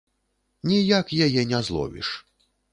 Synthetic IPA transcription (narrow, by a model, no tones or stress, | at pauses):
nʲijakjajɛnʲɛzlˠɔ̰vʲḭʂ